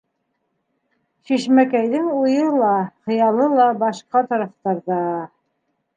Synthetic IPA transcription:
ʃiʃmækæjðɘŋujɤlˠɑχɤ̆jɑlˠɤlˠɑbɑʃqɑt̪ɑɾɑft̪ɑɾðɑ

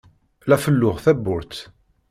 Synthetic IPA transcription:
læfəlːʊʁθæbːʊɾt̪

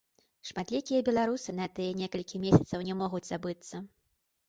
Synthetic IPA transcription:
ʂmat̪lʲikʲijɐbʲɛlˠaɾusɨnɐt̪ɨjɐnʲɛkɐlʲkʲʰimʲesʲɐ̥t̪sɐwnʲɛmɔɣud͡zʲzabɨt̪sːɐ

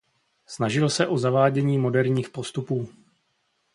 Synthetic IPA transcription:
snaʒɪlsɛʔo̞zavaːɟɛɲiːmo̞dɛɾɲiːxpo̞st̪upuː

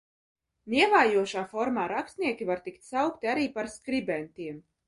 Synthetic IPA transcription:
niɛvaːjuɔʃaːfɔɾmaːɾakst̪nʲiɛkʲivaɾt̪ikt̪ʲsawkt̪iaɾiːpaɾskɾibɛnʲt̪ʲiɛm

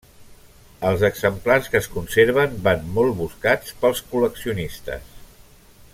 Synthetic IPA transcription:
əlˠzəɡzəmplarskəːskunseɾβ̞əmbanmɔlˠβuskat͡spəlˠskuləksiunist̪ə̰s

